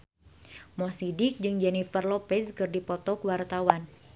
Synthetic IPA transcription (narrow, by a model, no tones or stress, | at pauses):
mɔsidɪk̚d͡ʒɨŋd͡ʒɛnifərlɔpɛskɨrdipɔt̪ɔkwart̪awan